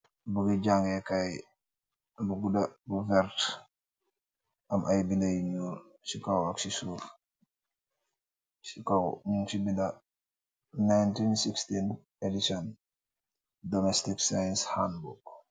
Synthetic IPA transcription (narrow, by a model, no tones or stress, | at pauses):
buɡiɟaŋɡɛkaj | buɡudɐbuvɛɾt | ɐmʔajbindɐjiɲu | sikawaksisuf | sikawmunsibindɐ | najntinsikstin | edisɔn | dɔmɛstiksajnshanbuɡ